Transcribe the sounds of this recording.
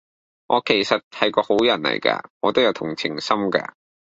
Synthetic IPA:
ŋʔɔː˨˧kʰe˨˩jsɐ˨t̚hɐ˨˥jkɔː˧ho˨˥wjɐ˨˩nlɐ̰˨˩jkɐ̰ː˧ŋɔː˨˧t̪o˥wjɐ˨˧wt̪ʰʊ˨˩ŋt͡sʰɪ˨˩ŋsɐ˥mkɐ̰ː˧

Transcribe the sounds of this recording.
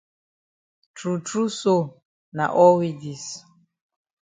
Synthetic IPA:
tɾu˨tɾu˦so˦ | na̰˨ʔɔ˦wi˨di˨s

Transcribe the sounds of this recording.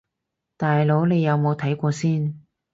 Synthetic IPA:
t̪aː˨jlo˨˥wne˨˧jːɐ˨˧wmo˨˧wt̪ʰɐ˨˥jkʷɔː˧siː˥n

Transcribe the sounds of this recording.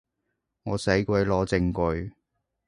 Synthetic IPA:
ŋɔː˨˧sɐ˨˥jkʷɐ˨˧˥jlɔː˨˥t͡sɪ˧ŋkɵ˧ɥ

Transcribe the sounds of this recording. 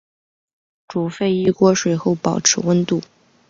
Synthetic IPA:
ʈ͡ʂu˨˩fe˥˧ɪi˥˩kwɔ˥ʂwe˨˩ɪxo˥˩ʊpɑ˨˩ʊʈ͡ʂʰɻ̩˧˥wə˥nt̪u˥˩

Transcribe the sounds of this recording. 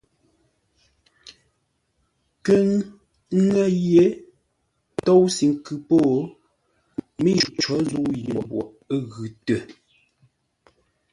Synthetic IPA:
kə˦ŋ˦ | ŋɛ˦jje˦ | tɔ˦wsi˨ŋ̩˦kʉ˨po˦˨ | mi˦˨t͡ʃɔ˨˦zu˦ji˨bwɔ̰˨ʔɣʉ˨tə˨

